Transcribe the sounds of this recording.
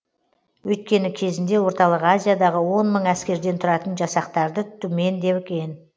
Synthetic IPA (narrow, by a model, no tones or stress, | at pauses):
wɵjt̪̚kʲe̞nɪkʲʰe̞zɪnd̪e̞wo̞ɾt̪ɑlˠəqazʲijad̪ɑʁəwo̞nməɴæskʲe̞ɾd̪e̞nt̪ʰʊɾɑt̪ənʒɑsɑqt̪ɑɾd̪ət̪ʰʏme̞nd̪e̞pɪkʲe̞n